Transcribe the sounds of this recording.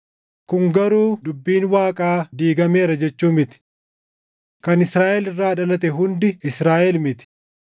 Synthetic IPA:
kʊŋɡɐɾuːd̪ʊbːiːnwaːkʼaːd̪iːɡɐmeːɾɐd͡ʒɛt͡ʃːuːmɪt̪ɪ̥ | kɐnɪsɾaːʔɛlɪrːaːɐᶑɐlɐt̪̬ɛɦʊnd̪ɪɪsɾaːʔɛlmɪt̪ɪ̥

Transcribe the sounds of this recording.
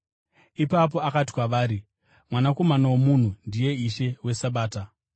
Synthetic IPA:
ipap̬o̞akati̥kwaʋaːɾi | mwanako̞manawomun̤undije̞iʃe̞we̞saɓaːta

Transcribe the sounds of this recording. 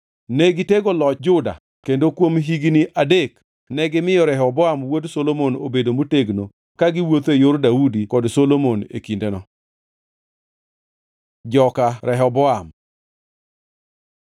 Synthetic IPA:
nɛɡɪteɡolɔt͡ʃd͡ʒʊda̰ | kendokwomɦiɡniʔʔadek | nɛɡɪmɪjɔɾɛɦɔbɔamwodsolomonobedomoteɡno | kaɡɪwot̪ejoɾdaudikɔdsolomonḛkindenɔ | d͡ʒɔkaɾɛɦɔbɔam

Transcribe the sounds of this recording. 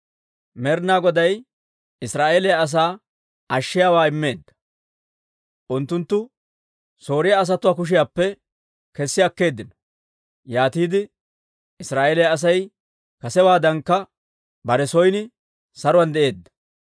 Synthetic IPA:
mɛɾnaːɡɔd̪ɐj | ɪsɾaːʔeːlɛjaːs̬aː | ɐʃːɪjaːwaːɪmːe̞ːd̪ːɐ̥ | ʔʊnt̪ːʊnt̪ːʊ | so̞ːɾɪjaːs̬ɐt̪ʊwaːk̬ʊʃ̬ɪjaːpːɛ | kɛsːɪɐkːe̞ːd̪ːɪnɔ̥ | jaːt̪iːd̪ɪ | ɪsɾaːʔeːlɛjɐːs̬ɐj | kɐsɛwaːd̪ɐŋkːɐ | bɐɾɛsɔjnɪ | sɐɾʊwɐnd̪ɛʔe̞ːd̪ːɐ̥

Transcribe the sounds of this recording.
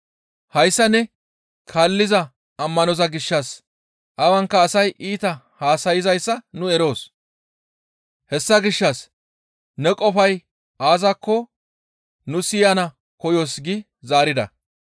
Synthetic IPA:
hɐjsːɐnɛ | kʰaːlːɪzɐ | ɐmːɐnɔzɐɡɪʃːɐs | ʔɐwɐŋkːɐːsɐjʔiːt̪ɐ | haːsɐjɪzɐjsːɐnʊɛɾo̞ːs | hɛsːɐɡɪʃːɐs | nɛkʼɔfɐj | ʔaːzɐkːɔ | nʊsɪjɐnɐ | kɔjoːsɡɪ | zaːɾɪd̪ɐ̰

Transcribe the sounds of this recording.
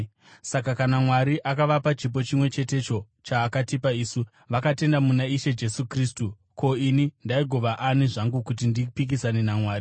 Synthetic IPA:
sakakanamwaɾiʔakaʋapat͡ʃip̬o̞t͡ʃimwe̞t͡ʃe̞te̞t͡ʃo̞ | t͡ʃaːkatipaiːsu | ʋakate̞ndamunaiʃe̞d͡ʒe̞sukriːstu | ko̞inindaiɡʱoʋaʔaniʐaŋɡukut̬indipik̬isaninamwaːɾi

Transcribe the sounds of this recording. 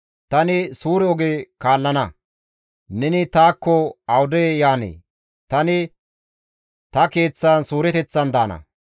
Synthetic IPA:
t̪ɐnɪsuːɾɛɔɡekaːlːɐnɐ | nɛnɪt̪aːkːɔɐwʊd̪ɛjjaːnḛː | t̪ɐnɪ | t̪ɐke̞ːt͡sːaːnsuːɾɛt̪ɛt͡sːɐnd̪aːnɐ̰

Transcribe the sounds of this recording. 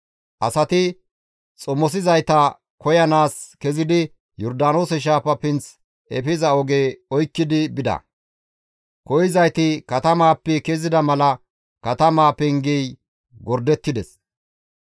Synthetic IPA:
ʔɐsɐt̪ɪ | t͡sʼɔmɔs̬ɪzɐjt̪ɐ | kɔjɐnaːskɛzɪd̪ɪ | jɔɾd̪aːno̞ːsɛʃ̬aːpɐpɪnt͡s | ɛ̰pɪzɐɔɡeːɔjkːɪd̪ɪbɪd̪ɐ̰ | kɔjɪzɐjt̪ɪkɐt̪ɐmaːpːɛkezɪd̪ɐmɐlɐ | kɐt̪ɐmaːpɛŋɡɛj | ɡɔɾd̪ɛt̪ːɪd̪ɛs

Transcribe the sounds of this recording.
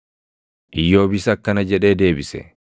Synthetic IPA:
ʔɪjːo̞ːbɪsɐkːɐnɐd͡ʒɛᶑe̞ːd̪e̞ːbɪsɛ̰

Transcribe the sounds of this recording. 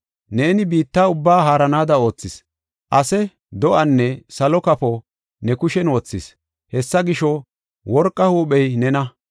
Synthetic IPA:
ne̞ːnɪbiːt̪ːaːʊbːaːɦaːɾɐnaːd̪ɐo̞ːt͡sːɪs | ʔɐsɛ | d̪ɔʔɐnːɛsɐlɔkɐpɔ | nɛkʊʃɛnwɔt͡sːɪs | hɛsːɐɡɪʃɔ | wɔɾkʼːɐhuːɓɛjnɛnɐ

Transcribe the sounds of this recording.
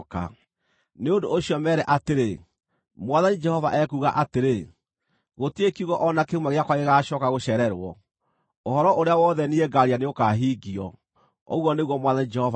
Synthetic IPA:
ka̰ | neondoːɕiɔmɛɾɛʔateɾe | mwaðanid͡ʒɛhɔvaʔɛkuːɣaʔateɾe | ɣotiekiuɣɔʔɔnakeumwaɣeakwaɣeɣaːʃɔkaɣoɕɛɾɛɾwɔ̰ | ohɔɾɔʔoɾeawɔːðɛnieɡaɾianeokaɦiːɡiɔ̰ | ɔ̰ɣwɔneɣwɔmwaðanid͡ʒɛhɔv

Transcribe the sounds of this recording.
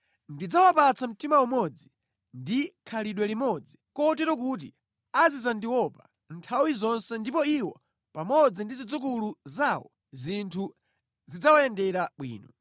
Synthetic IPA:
ndid͡zawapat͡sam̩timawumɔd͡zi | ndikʰaliɗwɛlimɔd͡zikɔɔtɛɾɔkut̬i | azizandiwɔpa | ntʰawizɔnsɛndipɔiwɔ | pamɔd͡zindizid͡zuk̬uluzawɔ̰ | zintʰu | zid͡zawajɛndɛɾaɓwḭːnɔ

